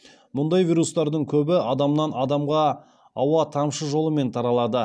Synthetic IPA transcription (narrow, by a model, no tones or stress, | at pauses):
mʊnd̪ɑjvijɾust̪ɑɾd̪əɴkʲʰɵbɪɑd̪ɑmnɑnɑd̪ɑmʁɑ | ɑwɑt̪ʰɑmʃəʒo̞lˠəme̞nt̪ʰɑɾɑlˠɑd̪ə